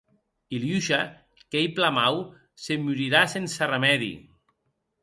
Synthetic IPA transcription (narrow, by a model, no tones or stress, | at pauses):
iljuʃa | kejplamaw | semyɾiɾasensaremɛðḭ